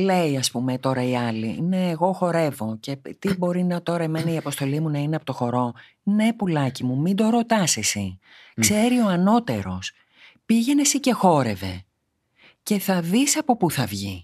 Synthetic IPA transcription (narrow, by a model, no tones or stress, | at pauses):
le̞iɐspumet̪o̞ɾɐiɐlḭne̞ːɣo̞xo̞ɾe̞vo̞ce̞t̪ibo̞ɾinɐt̪o̞ɾɐemenɐiɐpo̞st̪o̞limunɐineɐpo̞t̪o̞xo̞ɾo̞ | ne̞pulɐcimumind̪o̞ɾo̞t̪ɐsesi | kse̞ɾio̞ɐno̞t̪e̞ɾo̞s | piʝe̞nesice̞xo̞ɾe̞ve̞̰ | ce̞θɐðisɐpo̞puθɐvʝḭ